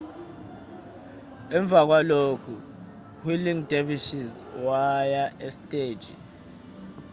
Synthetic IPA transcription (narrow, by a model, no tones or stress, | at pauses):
ɛɱbvʱak̬walokʰu | hwiliŋdʱeviʃiz | wajaestʼeːd̥ʒ̥ʱḭ